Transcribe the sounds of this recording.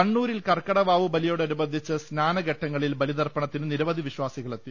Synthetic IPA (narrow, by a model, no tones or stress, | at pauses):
ɐɳːuːɾilkɐrkɐɽɐʋaːʋubɐlijoːɽɐɾubɐd̪ʱːit͡ɕːɨsnaːnɐɡɐʈːɐŋːɐɭilbɐlid̪ɐrpɐɳɐt̪ːinɨniɾɐʋɐd̪ʱiʋiɕʋaːsiɣɐɭet̪ːi